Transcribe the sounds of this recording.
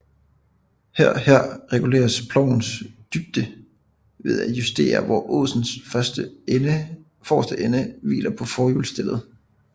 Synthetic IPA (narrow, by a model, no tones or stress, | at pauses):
hæɐ̰hæɐ̰ʁɛɡ̥ule̝̰ːɐspʰlɒʊ̰n̩sd̥yb̥̚d̥ə | ʋe̝ð̞ˠæjusd̥e̝̰ːɐʋɒʔoð̰ˠsn̩sfɶsd̥ə | fɒsd̥əʔenəʋḭːlʔɐpʰɒ̽fɒːjulsd̥elð̩ˠ